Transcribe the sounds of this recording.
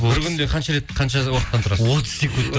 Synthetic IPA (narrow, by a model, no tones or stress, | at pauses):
bobɪɾkʲʏnd̪e̞qʰɑnʃɑɾe̞t̪qʰɑnʃɑwoqət̪ːɑnt̪ʊɾɑsot̪ʰə̥z̥sekunt̪ː